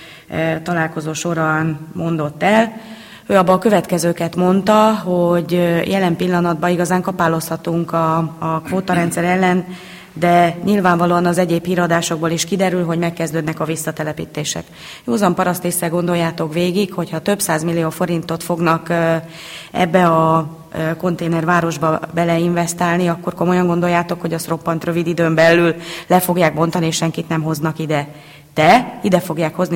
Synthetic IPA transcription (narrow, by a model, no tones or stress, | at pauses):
t̪ɒlaːlko̞zoːʃo̞ɾɒnmo̞nd̪o̞t̪ːɛl | øːɒbːɒkø̞vɛt̪kɛzøːkɛt̪mo̞nt̪ɒɦo̞ɟjɛlɛmpilːɒnɒd̪̚bɒiɡɒzaːŋkɒpaːlo̞shɒt̪uŋkɒkvoːt̪ɒɾɛnt̪sɛɾɛlːɛn | d̪ɛɲilvaːɱvɒloːɒnɒzɛɟeːphiːɾɒd̪aːʃo̞ɡ̚boːliʃkid̪ɛɾylɦo̞ɟmɛkːɛzd̪øːd̪nɛkɒvisːɒt̪ɛlɛpḭːt̪eːʃɛ̰k | juːzɒmpɒɾɒst̪eːsːɛlɡo̞nd̪o̞jaːt̪o̞kʋeːɡikho̞chɒt̪ø̞bsaːzmilːijoːfo̞ɾint̪o̞t̪fo̞ɡnɒk | ɛ̰bːɛɒ | ko̞nt̪eːnɛrvaːɾo̞ʒbɒbɛlɛiɱvɛst̪aːlniɒkːo̞rko̞mo̞jɒŋɡo̞nd̪o̞jːaːt̪o̞kho̞ɟɒsro̞pːɒnt̪rø̞vid̪id̪øːmbɛlːyllɛfo̞ɡjaːɡ̚bo̞nt̪ɒnieʃɛŋkit̪nɛmɦo̞znɒkid̪ɛ | t̪ɛid̪ɛfo̞ɡjaːkho̞zni